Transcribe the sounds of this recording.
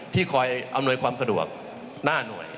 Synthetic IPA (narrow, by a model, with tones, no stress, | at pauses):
t̪ʰiː˥˩kʰɔː˧jʔa˧mnu˧əjkʰwaː˧msa˧du˨˩ək̚ | naː˥˩nu˨˩əj